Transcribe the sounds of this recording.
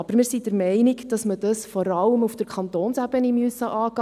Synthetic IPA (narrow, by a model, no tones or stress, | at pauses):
ɑb̥əɾmɪːɾsid̥əɾmɛɪniɡd̥ɑsmədɑsfɔɾɑləmufd̥əɾkʰχɑnt̪oːnsæb̥ənimyøsəʔɑːɡ̥ɑ